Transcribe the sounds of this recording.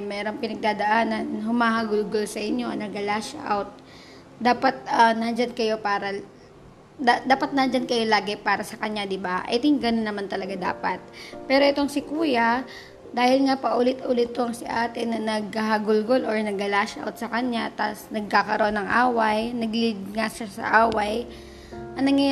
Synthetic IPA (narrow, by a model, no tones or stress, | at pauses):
mɛːɾo̞ŋpɪnɐɡ̚d̪aːd̪ɐʔaːnɐnɦʊmaːɦɐɡʊlɡolsɐʔɪɲjo̞nɐɡɐlaʃʔa̰wt̪̚ | d̪aːpɐt̪̚ɐnɐnd͡ʒankɐjo̞paːɾɐ | d̪ad̪aːpɐt̪̚nɐnd͡ʒankɐjo̞laːɡɛpaːɾɐsɐkɐɲad̪ɪbaʔɛ̰t̪ɪŋɡɐnonɐmant̪ɐlɐɡad̪a̰ːpɐt̪̚pɛːɾo̞ʔɛt̪o̞ŋsɪkuːjɐ | d̪aːhɪlŋapɐʔulɪt̪ʔuːlɪt̪̚ːoɐŋsɪʔaːt̪ɪnːɐnɐɡ̚kɐɦɐɡʊlɡoloɹnɐɡ̚ɐlaʃʔa̰wt̪̚sɐkɐɲat̪a̰snɐɡ̚kakɐɾoʔonɐŋʔaːwɐjnɐɡlɪd̪̚ŋaʃasɐ̰ʔaːwɐj | ʔɐnɐŋɐ